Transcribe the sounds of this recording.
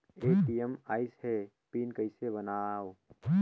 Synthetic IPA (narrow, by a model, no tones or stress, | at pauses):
eːʈijemaːɪshɛ | piːnkəɪsebənaːw